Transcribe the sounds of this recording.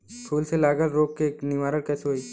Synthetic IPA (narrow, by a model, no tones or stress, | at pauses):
kʰuːlselaːɡəlɾoːk̚keːknɪʋaːɾəɾkɛːseɦoːiː